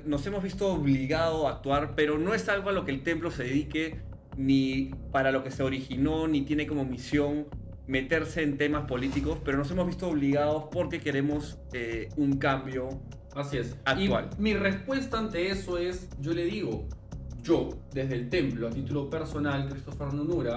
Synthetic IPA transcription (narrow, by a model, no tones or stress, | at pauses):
no̞se̞mozβist̪o̞ːβliɣað̞oaːk̚t̪waɾpeɾo̞no̞e̞salɣoalo̞keːlt̪e̞mplo̞se̞ðeðike̞ | nipaɾalo̞ke̞se̞o̞ɾixino̞nit̪jene̞ko̞mo̞misjo̞ŋ | me̞t̪e̞ɾse̞ːnt̪e̞maspo̞lit̪iko̞spe̞ɾo̞nose̞mozβist̪oːβ̞liɣaðo̞spo̞ɾke̞ke̞ɾe̞mo̞s | euŋkambjo̞ | asiesakitwa̰lmirespwe̞st̪aːnt̪eesoe̞sɟ͡ʝo̞le̞ðiɣoʝod̪ezðeːlt̪e̞mploat̪it̪ulo̞peɾso̞nalkɾist̪ofeɾnunuɾa